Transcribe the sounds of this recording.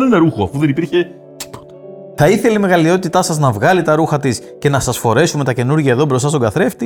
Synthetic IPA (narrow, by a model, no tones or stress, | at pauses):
nenɐɾuxoɐ̰fuðenipiɾçe̞ | t̪i̥po̥t̪ɐ | θɐiθe̞leime̞ɣɐlio̞t̪it̪ɐsɐznɐvɣɐlit̪ɐɾuxɐt̪is | ce̞nɐsɐsfo̞ɾe̞sume̞t̪ɐce̞nuɾʝɐeðo̞bɾost̪ɐst̪oɡɐθɾe̞ft̪i